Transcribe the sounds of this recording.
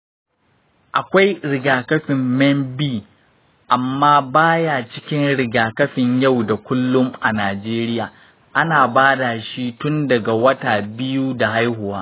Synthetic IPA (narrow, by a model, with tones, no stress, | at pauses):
ʔa˨kʷa˦jɽɪ˨ɡaː˨kɐ˦ɸɪ˨mːɛ˦mbiː˦ | ʔa˨mːaː˦baː˦ja˨t͡ʃɪ˦kʲɪ˦nɽɪ˨ɡaː˨kɐ˦ɸɪ˨ɲja˦˨wda˨kʷʊ˦lːʊ˦mʔa˨naː˨d͡ʒeː˦ɾɪ˦jaː˨ | ʔa˦naː˨baː˦da˨ʃi˦tʊ˦ndɐ˨ɡa˨wɐ˦taː˨bɪ˦ju˦da˨ɦa˦jhʊ˨waː˦